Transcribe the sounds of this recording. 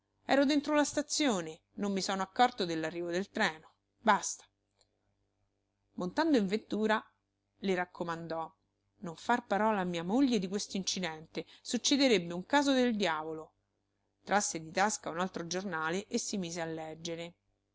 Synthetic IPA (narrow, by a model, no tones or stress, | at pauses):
ɛ̰ːɾod̪ent̪ɾolast̪at̪sːjoːne | nomːisɔːnoakːɔrt̪od̪elːarːiːvod̪elt̪ɾɛːno | bast̪ḁ | mont̪and̪oiɱvet̪ːuːɾa | leɾakʰːomand̪ɔ | noɱfarpaɾɔlaːmːiːamoʎːed̪ikwest̪oint͡ʃid̪ɛnt̪esut͡ʃːed̪eɾebːeuŋkaːzod̪eld̪jaːvolo | t̪ɾʔasːed̪it̪askaunalt̪ɾod͡ʒornaːleʔesːimiːzealːɛd͡ʒːeɾe